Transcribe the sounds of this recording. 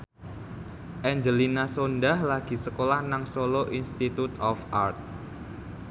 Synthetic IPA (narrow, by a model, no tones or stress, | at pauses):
ʔɛɲd͡ʒəlinasondahlaɡ̥i̤səkolahnaŋsoloʔinst̪it̪ut̪ɔfʔart̪̚